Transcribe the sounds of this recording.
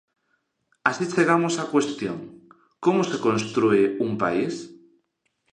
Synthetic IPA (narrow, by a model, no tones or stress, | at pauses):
asit͡ʃeɣ̞amosakwest̪jo̰ŋ | komosekõnst̪ɾueumpa̰is